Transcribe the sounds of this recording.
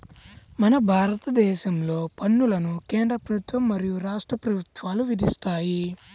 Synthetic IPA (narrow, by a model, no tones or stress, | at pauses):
mɐnɐbʱaːɾɐt̪ɐd̪ɛːʃɐmlo̞ːpɐnːulɐnukeːnd̪ɾɐpɾɐbut̪ʋɐmːɐɾijuɾaːʂʈɾɐpɾɐbut̪ʋaːluʋid̪ist̪aːji